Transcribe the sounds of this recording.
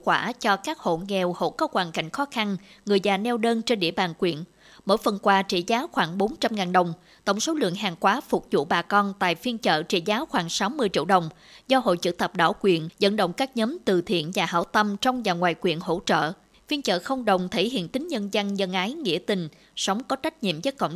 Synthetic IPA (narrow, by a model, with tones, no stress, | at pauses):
kwaː˧˩t͡ɕɔ˧kaː˦˥k̚ho̰˧˨ŋɛ˨˩who̰˧˩kɔ˨˦kwaː˨˩nka̰˧˩˨jŋ̟xɔ˨˦xa˧nŋɨ˨˩əjzaː˨˩nɛ˧wɗəː˧nt͡ɕe˧nɗḭ˧˩əɓaː˨˩nkwḭ˧˩˨ən | mo̰˧˥˨jfə˨˩nkwaː˨˩t͡ɕḭ˧˩zaː˨˦wxwaː˧˩ŋɓo˨˦nt͡ɕa˧mŋaː˨˩nɗə˨˩wŋ͡m | t̪ə̰˧˩wŋ͡mso˨˦lɨ̰˧˨əŋɦaː˨˩ŋkwaː˨˦fu˨˩k͡p̚zṵ˧˨ɓaː˨˩kɔ˧nt̪a̰ː˧˨jfi˧ənt͡ɕə̰ː˧˨t͡ɕḭ˧˩zaː˨˦wxwaː˧˦ŋsa˨˦wmɨ˧əjt͡ɕḭ˧əwɗə˨˩wŋ͡m | zɔ˧ɦo̰˧˨jt͡ɕɨ̰˧˩t̪ə˨˩p̚ɗa̰ː˧˩wkwi˨˧˩ənzə̰˧˥nɗə̰˧˨wŋ͡mkaː˦˥k̚ɲəː˨˦mt̪ɨ˨˩t̪ʰḭ˧˨ənvaː˨˩ɦa̰ː˧˩wt̪ə˧mt͡ɕɔ˧wŋ͡mzaː˨˩ŋwaː˨˩jkwi˧˩ənɦo̰˧˥t͡ɕə̰ː˧˨ | fi˧ənt͡ɕə̰ː˧˨xə˧wŋ͡mɗə˨˩wŋ͡mt̪ʰə˧˩jhḭ˧˨ənt̪ï˨˦ŋ̟ɲə˧nzə˧nzə˧nʔaː˨˦jŋḭ˧˥ət̪ï˨˩ŋ̟ | sə˨˦wŋ͡mkɔ˨˦t͡ɕa˦˥jk̚ɲḭ˧˨əmzəː˨˦jkə̰˧˨wŋ͡m